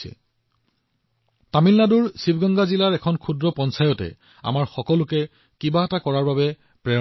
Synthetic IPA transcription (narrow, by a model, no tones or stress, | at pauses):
ɛ̰ | tamilnaduɹsibʱɡɔŋɡazilaɹɛkʰɔnkʰudɹɔpɔnsajɔtɛ̰ | a̰maɹxɔkɔlʊkɛ | kibaatakɔɹaɹbabɛ | pɹɛ